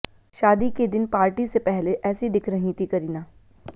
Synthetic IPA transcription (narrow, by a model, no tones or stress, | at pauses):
ʃaːd̪iked̪ɪnpaːɾʈisepɛɦleʔɛːsid̪ɪkʰɾəɦĩt̪ikɐɾiːnaː